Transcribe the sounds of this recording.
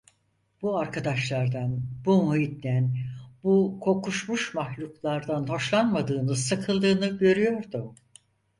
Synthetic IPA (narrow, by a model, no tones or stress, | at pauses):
b̥uaɾkʰad̪aʃlˠaɾd̪anbumuɦit̪nænbukʰo̞kuʃmuʃmahlʲuklˠaɾd̪anho̞ʃlˠanmad̪ɯːnɯsakʰɯlˠd̪ɯːnɯɟø̞ɾyjo̞ɾd̪ʊ